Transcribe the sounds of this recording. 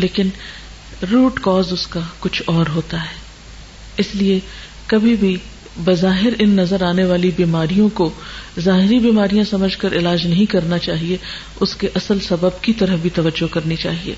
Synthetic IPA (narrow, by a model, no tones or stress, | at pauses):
leːkɪn | ɾuːʈkɔːzʊskakʊt͡ʃʰɔːɾɦoːt̪aɦɛː | ɪslie | kɐbʱibʱi | bɐzaːɦɪɾɪnːɐzəɾaːneʋaːlibiːmaːɾijõkozaːɦɪɾibiːmaːɾijãsɐməd͡ʒʱkɐɾʔɪlaːd͡ʒnɐɦĩkɐɾnat͡ʃaːɦie | ʊskeʔɐsəlsɐbəb̚kit̪ɐɾəfbʱit̪ɐʋəd͡ʒːokɐɾnit͡ʃa̰ːɦiḛː